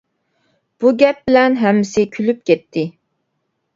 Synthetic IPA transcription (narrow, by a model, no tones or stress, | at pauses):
b̥uɡʲɛp̚bɪlɛnɦɛmːɪsɪkʲʰylyp̚kʲʰɛt̪ʰːɪ